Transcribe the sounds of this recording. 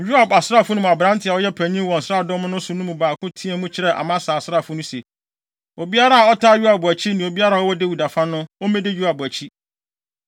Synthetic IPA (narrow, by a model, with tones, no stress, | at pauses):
ɥᶣu˦a˨ba˨sa˦˨fʊ˦nʊ̃˦˨a˨bɾã˦ntʰɪ˨a˨wɔ˦jɛ˦pʰæ̃˨ɲĩ˦mwɔ̃˨n̩˨sɾa˦˨dɔ̃˦mʊ̃˦nʊ̃˦sʊ˨nʊ̃˦mũ˨baː˨kʰʊ̃˦tʰĩ˦ɛ˦mũ˦t͡ɕʰɪ˦ɾɛ˨ʔa̰˨mã˦saː˨sɾa˦˨fʊ˦nʊ̃˦se˨ | o˨bi˦a˦ɾa˦a˨ɔ˦tʰa˦ɥu˦a˨bʊ˨æ˨t͡ɕʰi˦nĩ˨o˨bi˦a˦ɾa˦˨ɔ˦wɔ˦dɪ˦wu˨da˨fã˦nʊ̃˦o˦mɛ̃˦dɪ˦jᶣu˦a˨bæ˨t͡ɕʰi˦